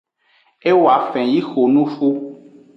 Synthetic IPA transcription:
e˦wa˨fɛ̃˨ji˦xo˨nũ˦fu˦

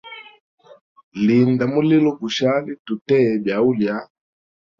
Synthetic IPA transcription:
li˨nda˨mu˦li˦lɔ˦ku˨ʃa˦li˦tu˨tɛ˦˨bja˨u˦lja˨˦

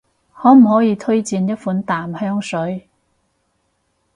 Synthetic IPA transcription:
hɔː˨˥m̩˨˩hɔː˨˥jiː˨˧t̪ʰɵ˥ɥt͡siː˨˧njɐ˥t̚fuː˨˥nt̪aː˨˩mhœː˥ŋsɵ˨˥ɥ

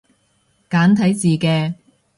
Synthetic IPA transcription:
kaː˨˥nt̪ʰɐ˨˥jt͡siː˨˩kɛː˧

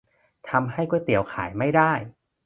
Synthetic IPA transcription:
t̪ʰa˧mɦa˥˩jkuː˥˩jt̪i˨˩˦əwkʰaː˩˦jma˥˩jdaː˥˩j

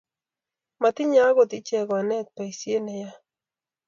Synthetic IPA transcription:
ma˨t̪i˦ɲa˦ɣo˨t̪i˦t͡ʃɛ˨ɣwa˨nɛ˦t̪̚pa˨i˨sje˦ne˨ja˦

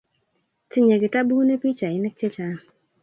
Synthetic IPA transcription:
tɪ˦ɲe˨ɡɪ˨ta˦bu˦ne˦pi˦t͡ʃa˨ɪ˨˦nɛ˦k̚t͡ʃe˦t͡ʃa˨

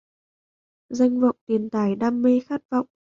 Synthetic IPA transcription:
za˧jŋ̟və̰˧˨wŋ͡mt̪i˨˩ənt̪aː˨˩jɗaː˧mːe˧xaː˦˥t̚vɔ̰˧˨wŋ͡m

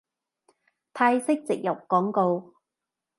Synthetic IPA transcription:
t̪ʰaː˧jsɪ˥k̚t͡sɪ˨k̚jɐ˨˩w̚kɔː˨˥ŋko˧w

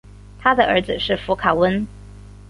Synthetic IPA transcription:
t̪ʰa˥d̪ə˨ə˞˧˥d͡zɹ̩˨ʂɻ̩˥˩fu˧˥kʰa˨˩wə˥n

